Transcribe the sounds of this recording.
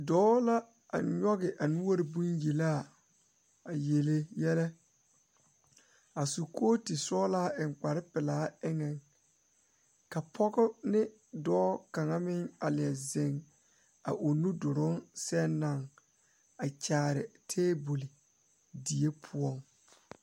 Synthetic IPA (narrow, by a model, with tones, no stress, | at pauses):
dɔː˦la˦ | a̰˨ɲɔ˦ɣɪ˨ʔa˨nu˦o˦ɾɪ˨bu˦nje˨la˦˨ | a˨je˨le˦jɛ˦lɛ˦ | a˨su˨kʰoː˦tɪ˨sɔː˦laː˦ʔɪ˨ŋk͡pa˨ɾɪ˦pɪ˨laː˨˦ɪ˦ŋɛ˨ŋ | ka˨pʰɔ˦ɡʊ˦nɪ˦ | dɔː˦ka˨ŋa˦mɪ˦ŋa˨lɪ˨ɛ˨ze˨ŋ | a̰˨ʔo˨nu˦dʊ˨ɾʊ˦nsɛ˦nːa˨ŋ | a˨t͡ʃaː˨ɾɪ̰˨tʰeː˦bo˨li˨ | di˨e˦pʰʊ˦ɔ˦˨ŋ